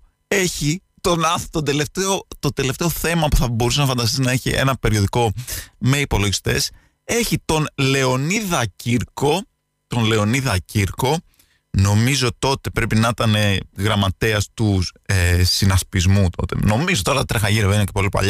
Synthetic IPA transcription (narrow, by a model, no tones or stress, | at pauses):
e̞çi | t̪o̞nɐθt̪od̪e̞le̞ft̪eot̪o̞d̪e̞le̞ft̪e̞o̞θe̞mɐpuθɐbo̞ɾusenɐfɐnd̪ɐst̪iznɐeçḭʔe̞̰nɐpe̞ɾio̞ðiko̞me̞ipo̞lo̞ʝist̪e̞̰s | e̞çit̪o̞nle̞o̞niðɐciɾko̞ | t̪o̞nle̞o̞niðɐciɾko̞ | no̞mizo̞t̪o̞t̪e̞pɾe̞pinɐit̪ɐne̞ɣɾɐmɐt̪e̞ɐst̪uesinɐspizmut̪o̞̰t̪e̞̰no̞mizo̞t̪oɾɐt̪ɐt̪ɾexɐʝiɾevinecepo̞lipɐ̰ʎɐ